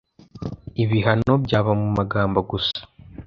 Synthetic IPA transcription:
iβiɦano̞bɟaːβamumaɡaːmbaɡusḁ

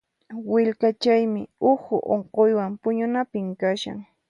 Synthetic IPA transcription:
wɪʎkat͡ʃajmɪʊhʊʔoɴqojwampʊɲʊnapɪmkaʃa̰ŋ

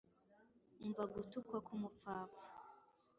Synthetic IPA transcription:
uɱvaɡutukwakumufaːfḁ

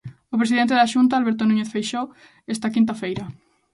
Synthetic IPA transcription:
opɾes̬iðent̪̬eðaʃunt̪̬aːlβeɾt̪onuɲeθfejʃow | est̪ɐkint̪̬afejɾɐ

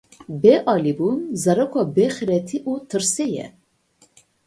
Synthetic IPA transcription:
bɛʔɑːlibunzɑɾɐkʷʰɑbɛxɨɾɛt̪ʰiʔut̪ʰɨɾsɛjɛ̰

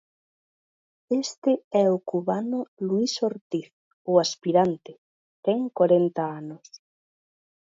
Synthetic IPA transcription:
est̪ɪɛʊkuβanʊluisoɾt̪iθ | ʊaspiɾant̪ɪ | t̪ɛŋkwaɾent̪ɐanʊs

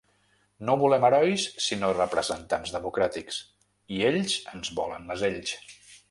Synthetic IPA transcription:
noβulɛməɾɔjsːinorəpɾəzənt̪anzðəmukɾat̪iks | ieʎzənzβɔlə̰nməzeʎs

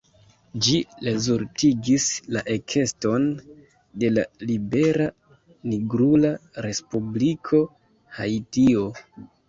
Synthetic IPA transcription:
d͡ʒilezuɾtiɡislaʔe̞kʰe̞sto̞n | de̞la̰libe̞ɾa | niɡɾulaɾe̞spublikʰo̞ | ha̰jtio̞

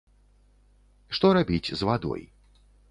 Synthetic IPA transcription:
ʂt̪ɔɾabʲit͡sʲzvad̪ɔ̰j

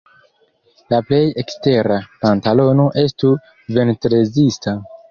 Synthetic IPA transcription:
laple̞je̞kste̞ɾapantalo̞no̞ʔe̞stu | ve̞ntɾezista

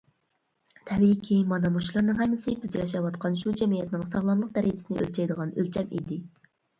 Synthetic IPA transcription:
t̪ʰɛwikʲʰimɑnɑmuʃlˠɑɾnɨŋɦɛmːɪsɪbɪzjɑʃ̬ɑwɑt̪qʰɑnʃud͡ʒɛmijɛt̪nɪŋsɑʁlˠɑmlˠəq̚d̪ɛɾid͡ʒʰɪ̥sɪnɪʔø̰lʲt͡ʃʰɛjd̪əʁɑnølt͡ʃʰɛmḭd̪ɪ

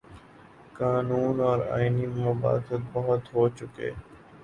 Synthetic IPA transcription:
kaːnuːnɔːɾa̰ːiniməba̰ːt̪ət̪̚bəɦʊt̪ɦoːt͡ʃʊkḛː

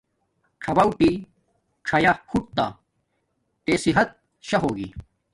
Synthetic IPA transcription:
ʈ͡ʂʰɐbɐwʈi | ʈ͡ʂʰɐjaxuʈ̚t̪a̰ | t̪eːsiɦɐt̪̚ | ɕɐɦoːɡḭ

